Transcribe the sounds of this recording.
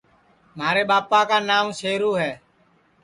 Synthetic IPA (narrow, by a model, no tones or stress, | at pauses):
m̤aːɾeːɓaːpaːkaːnaːmseːɾuːɦɛː